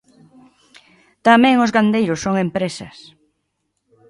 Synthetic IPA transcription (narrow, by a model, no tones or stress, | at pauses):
t̪amɛ̃ŋʊzɣand̪ejɾʊsːoŋempɾesɐ̰s